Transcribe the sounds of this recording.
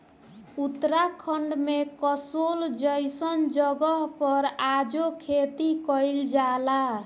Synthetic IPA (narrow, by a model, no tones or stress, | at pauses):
ut̪ɾakʰəɳɖmekəsold͡ʒəjsənd͡ʒəɡəɦpʌɾad͡ʒokʰet̪ikəjld͡ʒala